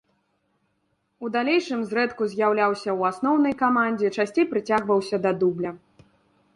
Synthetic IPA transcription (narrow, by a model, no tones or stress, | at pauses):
ud̪alʲejʂɨmzɾɛt̪kuzʲjawlʲawsʲɐwasnɔwn̪ɐjkamanʲd͡zʲɛt͡ʂasʲt͡sʲejpɾɨt͡sʲaɣvɐwsʲɐd̪ɐd̪ublʲɐ